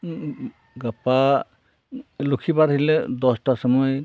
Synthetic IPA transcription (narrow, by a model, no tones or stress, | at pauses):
ɡapa | lukʰibaɾɦilɛd̪ɔsʈasɔmɔj